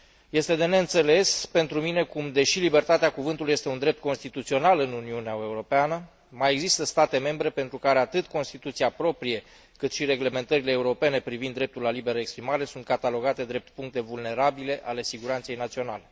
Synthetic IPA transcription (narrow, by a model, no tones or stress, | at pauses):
je̞st̪e̞d̪e̞ne̞ɨnt̪se̞le̞spe̞nt̪ɾumine̞kumd̪e̞ʃilibe̞rt̪at̪eakuvɨnt̪uluije̞st̪eund̪ɾe̞p̚t̪̚ko̞nst̪it̪ut̪sio̞nalɨnuniuneae̞uɾo̞peanə | majeɡzist̪əst̪at̪e̞me̞mbɾe̞pe̞nt̪ɾukaɾe̞at̪ɨt̪ko̞nst̪it̪ut̪siapɾo̞pɾije̞ | kɨt̪ʃiɾe̞ɡle̞me̞nt̪əɾileːuɾo̞pe̞ne̞pɾivind̪ːɾe̞p̚t̪ulalibe̞ɾəekspɾimaɾe̞sunt̪̚kat̪alo̞ɡat̪e̞d̪ɾe̞p̚t̪̚puŋkt̪e̞vulne̞ɾabile̞ʔale̞siɡuɾant̪se̞jnat̪sio̞na̰le̞